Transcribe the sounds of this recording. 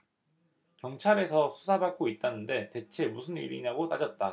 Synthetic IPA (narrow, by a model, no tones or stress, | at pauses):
kjʌŋt͡ɕʰaɾe̞sʰʌsʰu̥sʰabak̚k͈oit̚t͈anɯnde̞te̞t͡ɕʰe̞musʰɯnḭɾḭnaɡot͈a̰d͡ʑʌt̚t͈a